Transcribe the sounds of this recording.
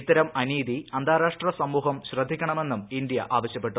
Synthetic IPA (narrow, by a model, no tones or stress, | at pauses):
t̪ːɐɾɐmɐniːd̪iɐnd̪ʱaːɾaːʂʈrɐsɐmːuːɦɐmɕrɐd̪ʱːikʲːɐɳɐme̞nːumind̪jɐʔaːʋɐɕjɐpːe̞ʈːu